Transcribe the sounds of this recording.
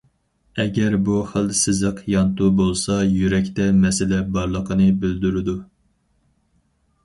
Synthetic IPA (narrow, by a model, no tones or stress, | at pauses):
ɛɡʲɛɾbuχəlˠsɪzəqjɑnt̪ubolˠsɑjyɾɛkʲt̪ɛmɛsɪlɛbɑɾlˠəqʰənɨbɪld̪yɾɪd̪u